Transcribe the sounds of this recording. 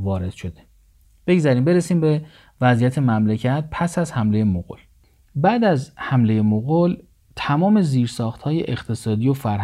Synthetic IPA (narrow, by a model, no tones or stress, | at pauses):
vɒːɾe̞d̪̥ʃo̞d̪e | b̥e̞ɡzæɾiːmbe̞ɾesiːmbe | væzijæt̪ʰe̞mæmlecʰæt̪̚pʰæsæzhæmle̞je̞moɣol | bæːd̪æzhæmle̞je̞moɣol | t̪ʰæmɒːme̞ziːɾsɒːxt̪hɒːje̞̰ʔext̪ʰe̞sɒːd̪iːofæɾɦ